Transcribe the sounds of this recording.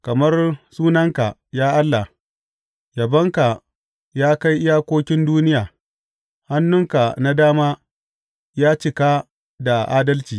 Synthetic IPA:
kɐ˨mɐ˦rsuː˦nɐ˦ŋka˨jaː˦ʔa˦lːa˨ | jɐ˨bɐ˦ŋka˨ | jaː˦ka˦jʔɪ˦jaː˦kʷoː˦kʲɪ˦nduː˦nɪ˦jaː˨ | ha˦nːʊ˦ŋka˨na˦daː˦maː˦ | jaː˦t͡ʃɪ˨ka˦ | da˨ʔaː˦dɐ˦lt͡ʃiː˨

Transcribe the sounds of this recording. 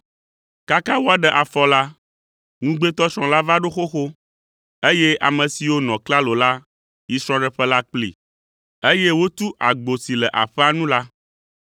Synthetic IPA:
ka˦ka˦wo˦a˨ɖɛ˨ʔa˨fɔ˦la˦ | ŋũ˦ɡ͡be˦t̪ɔ˦t͡ʃɾɔ̃˨la˦va˦ɖo˦xo˦xo˦ | e˦je˦ʔa̰˨mə̃˨si˨wo˦nɔ̃˨kla˦lo˨la˦ | i˨sɾ̃ɔ̃˦ɖə˨ɸɛ˦la˦k͡plḭ˨ | e˦je˦wo˦t̪u˦ʔa˨ɡ͡bo˨si˨lɛ˨ʔa̰˨ɸɛ˦a˦nũ˦la˦

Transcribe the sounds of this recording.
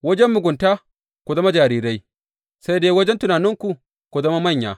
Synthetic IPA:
wɐ˦d͡ʒɛ˦mːʊ˨ɡʷʊ˨nta˦ | kʷu˨zɐ˦ma˦d͡ʒaː˨ɾiː˦ɾa˦j | sa˦jdeː˦wɐ˦d͡ʒɛ˦ntʊ˨naː˨nɪ˦ŋkʷu˨ | kʷu˨zɐ˦ma˦mɐ˦˨ɲja̰ː˨

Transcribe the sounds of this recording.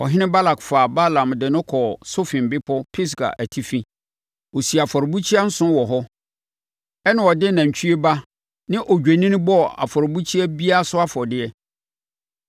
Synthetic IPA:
ɔ̰˨ɦɪ̃˦nɪ̃˦ba˦la˨kfaː˨ba˦lã˨mdɪ˨nʊ̃˦kʰɔ˨so˦fɪ̃˨m˨bɪ˦pʰɔ˦pʰi˦s̬ɡa̰˨ʔæ˨tʰi˦fĩ˦ | wo˨si˨a˨fɔ˨ɾbu˦t͡ɕʰi˦a˦n̩˦sʊ̃˦wɔ˨ɦɔ˦ | ɛ˦nʊ̃˦ɔ˨dɪ˦nã˨ɲ˨t͡ɕʰᶣy˦e˦ba˦ | nɪ̃˦ʔɔ˨d͡ʑᶣe˨nĩ˦ñ˦bɔ˦a̰˨fɔ˨ɾbu˦t͡ɕʰi˦ɛ˦bi˦a˦sʊ˦a˦fɔ˨dɪ˦ɛ˦

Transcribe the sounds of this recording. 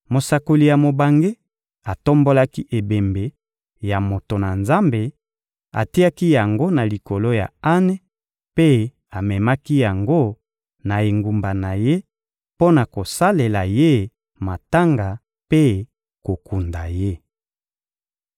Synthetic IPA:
mo˨sa˨ko˨li˨ja˨mo˨ba˨ŋɡe˦ | a˨to˦mbo˦la˦ki˦ʔe˨be˨mbe˨ | ja˨mo˨to˨na˨nza˦mbe˨ | a̰˨ti˦a˦ki˦ja˨ŋɡo˦na˨li˨ko˨lo˦ja̰˨a˦ne˦ | pe˦ | a˨mɛ˨ma˦ki˦ja˨ŋɡo˦ | na˨e˨ŋɡu˨mba˨na˨je˦ | po˦na˨ko˨sa˦le˨la˨je˦ | ma˨ta˦ŋɡa˨ | pe˦ | ko˨ku˨nda̰˨je˦

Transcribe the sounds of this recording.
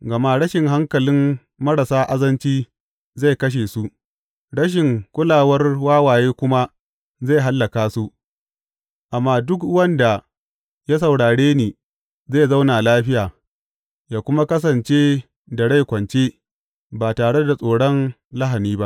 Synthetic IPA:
ɡɐ˨ma˦ɽɐ˦ʃɪ˨ŋɦa˦ŋkɐ˨lɪ˦m | mɐ˦ɽɐ˨saː˦ʔa˦zɐ˦nt͡ʃiː˦ | za˦˨jkɐ˦ʃ̬eː˨su˦ | ɽɐ˦ʃ̬ɪ˨ŋkʷʼʊ˦laː˨wɐ˦rwaː˦waː˨jeː˦kʷʊ˦ma˦ | za˦˨jɦa˦lːɐ˨kaː˦su˦ | ʔa˨mːaː˦dʊ˦kwɐ˦nda˨ | ja˦s̬ɐ˨wɽaː˨ɽeː˦neː˨ | za˦˨za˦wnaː˨laː˦ɸɪ˦jaː˨ | jaː˦kʷʊ˦ma˦kɐ˦s̬ɐ˨nt͡ʃeː˦ | da˨ɽa˦˨jkʷɐ˨nt͡ʃeː˦ | baː˨taː˨ɽe˦da˨sʼoː˨ɽɔ˦n | la˦ɦa˨niː˦ba˦ʔ

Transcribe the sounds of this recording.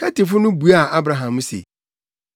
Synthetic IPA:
kʰa˦tɪ˨fʊ˦nʊ̃˦bu˨a˦˨a˦bɾa˨ɦã˨m˦sḛ˨

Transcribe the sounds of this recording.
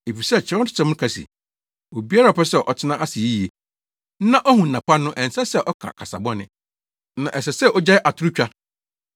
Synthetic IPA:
e˨fi˨sɛ˦˨t͡ɕʰɪ˨ɾ̃tʰɪ̥˦tʰɛ̃˨˦m˦ʊ̃˦kʰa˨sḭ˨ | o˨bi˦a˦ɾa˨ɔ˨pɛ˦sɛ˦˨ʔɔ˨tʰɪ˦nã˦ʔa˦si˨i˦i˨e˨˦ | nã˦ʔɔ˦hũ˨n̩ː˨ã˨pa˦nː˦ʊ̃˦ʔɛ̃˨n̩˨sɛ˦sɛ˦˨ʔɔ˦kʰã̰˨kʰa˨sa̰˨bɔ̃˦nɪ̰̃˨ | nã˨ʔɛ˨sɛ˨sɛ˦˨ʔɔ˦d͡ʑa˦ɪ˦ʔa˨tʰʊ˦ɾu˦t͡ɕᶣa˦

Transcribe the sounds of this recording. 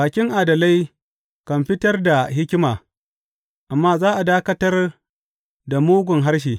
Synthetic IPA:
baː˨kʲɪ˦ŋʔaː˨dɐ˨la˦j | kɐ˨mɸɪ˦tɐ˦rda˨ɦɪ˦kʲɪ˦maː˨ | ʔa˨mːaː˦zaː˦ʔa˨daː˦kɐ˦tɐ˦r | da˨muː˦ɡʷʊ˨ŋɦa˦rʃ̬iː˨

